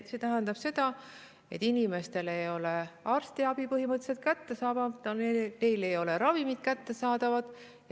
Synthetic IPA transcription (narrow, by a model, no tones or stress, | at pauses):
se̞t̪æɦænd̪ɑb̥se̞d̪̥ɑ | e̞t̪ːˑinime̞st̪e̞le̞jo̞le̞ɑrst̪iɑbipɤɦimɤt̪ːˑse̞t̪̚kæt̪ːe̞sɑːbɑt̪ɑne̞jle̞jo̞le̞ɾɑvimid̪̥̚kæt̪ːe̞sɑːd̪ɑvɑd̪̥